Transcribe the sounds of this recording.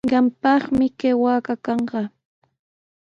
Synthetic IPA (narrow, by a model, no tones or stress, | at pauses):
ɢɑmpɑχmɪkewaːkakɑɴɢɑ